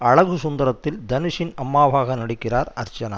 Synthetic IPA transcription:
ɐɻɐɣɯsʊnd̪ɐɾɐt̪ːɪld̪ɐnɪʂɪnɐmːaːʋaːɣɐnɐɽɪkːɪraːɾɐ̰ɾt͡ʃɐnɐ̰ː

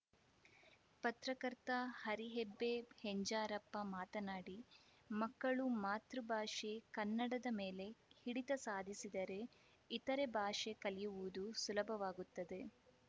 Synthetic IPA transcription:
pɐt̪ɾɐkɐɾt̪ɐhɐɾiɦebːe̞heɲd͡ʒaːɾɐpːɐmaːt̪ɐnaːɽi | mɐkːɐɭumaːt̪ɾubʱaːʂekɐnːɐɽɐd̪ɐmeːle̞hiɽit̪ɐsaːd̪ʱisid̪ɐɾe̞ | it̪ɐɾe̞bʱaːʂekɐlijuʋud̪usulɐbʱɐʋaːɡut̪ːɐd̪e̞

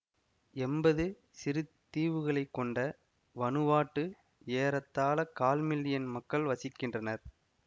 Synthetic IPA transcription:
ɛmbɐðɯ | sɪɾɯt̪ːiːʋɯɣɐɭɐɪkːɔɳɖɐ | ʋɐnɯʋaːʈːɯ | eːɾɐt̪ːaːlɐkaːlmɪlːɪjɐnmɐkːɐɭʋɐsɪkːɪndrɐnɐɾ

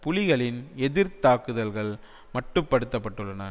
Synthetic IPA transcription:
pʊlɪɣɐɭɪnɛðɪɾt̪aːkɯðɐlɣɐɭ | mɐʈːɯpːɐɽɯt̪ːɐpːɐʈːɯɭːɐnɐ

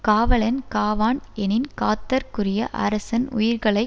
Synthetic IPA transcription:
kaːʋɐɭɐnkaːʋaːnɛnɪnkaːt̪ːɐɾkʊrɪjɐʔɐ̰ɾɐsɐnʊ̰jɪɾɣɐɭɐɪ

